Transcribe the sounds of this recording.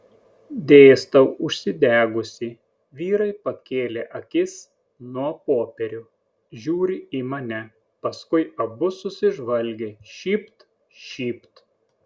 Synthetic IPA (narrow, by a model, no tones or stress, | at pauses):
d̪ʲeːst̪ɐʊʊʃʲsʲɪd̪ʲæːɡʊsʲi | ʋʲiːɾɐɪpɐkʲeːlʲeːʔɐkʲɪs | nuɔpoːpʲɛɾʲʊ | ʒʲuːɾʲɪimɐnʲɛ | pɐskʊɪɐbʊsʊsʲɪʒʋɐlʲɡʲeʃʲiːpt̪ | ʃʲiːpt̪